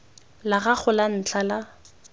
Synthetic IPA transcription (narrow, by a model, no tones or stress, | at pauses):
laɣak͡xʊlan̩t͡ɬʰala